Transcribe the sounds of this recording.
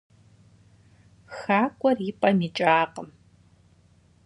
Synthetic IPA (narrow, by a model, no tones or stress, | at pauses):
xaːkʷʼɔripʼɐnit͡ʃʼaːqəm